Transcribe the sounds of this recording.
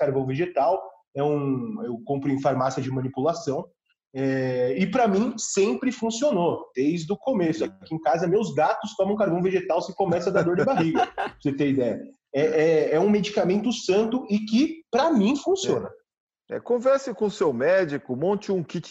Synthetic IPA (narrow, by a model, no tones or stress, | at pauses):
kaɾvɐ̃w̃veʒet̪aw | ɛũewkõmpɾʊẽfaɾmasiɐd͡ʒɪmɐ̃nipulasɐ̃w̃ | ɛɪpɾɐmĩsẽmpɾɪfũsionod̪̥ejzd̪ʊkomesʊakiẽkazɐmewzɡat̪ʊst̪ɔ̃mɐ̃kaɾvɐ̃w̃veʒet̪awsɪkomɛsɐd̪ad̪oɾd͡ʒɪbaɦiɡɐset̪ẽid̪ɛjɐ | ɛʔɛɛũmed͡ʒikamẽnt̪ʊsɐ̃nt̪ʊɪkɪpɾɐmĩfũsiõnɐ | ɛ̰kõvɛɾsɪkõʊsewmɛd͡ʒikʊmõt͡ʃɪũkit͡ʃ